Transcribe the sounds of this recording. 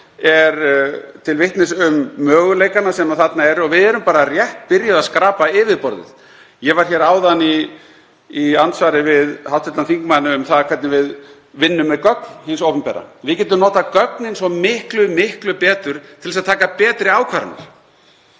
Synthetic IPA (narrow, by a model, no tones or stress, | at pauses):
ɛɾt̪ʰɪlvɪht̪nɪsʏmːœːɣʏleːjkanasɛmaðθat̪naɛɾɔvɪðɛɾʏmpaːɾarjɛht̪pɪɾjaðaðskɾaːpaɪːvɪðpɔɾðɪ̰θ | jɛvaɾ̥çɛːɾaːwðaniː | ant̪svaːɾɪvɪðhawht̪ɛt̪anθiŋkmanʏʏmθaðakʰvɛt̪nɪvɪð | vɪnːʏmːɛkœknhɪnsowpʏmpɛ̰ːɾa̰vɪðcɛːt̪̬ʏmnoːt̪akœknɪnsɔmɪhklʏmɪhklʏpɛːt̪ʏɾ̥t̪ʰɪlsaðt̪ʰaːkapɛːt̪ɾɪaːwkʰvaːɾa̰na̰ɾ̥